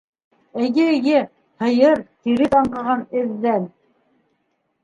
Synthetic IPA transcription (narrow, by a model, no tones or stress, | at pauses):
ɘ̆ɡɘɡɘ | hɤ̆jɤɾt̪iɾɘt̪ɑɴɢɑ̆ʁɑnɘ̆ðːæn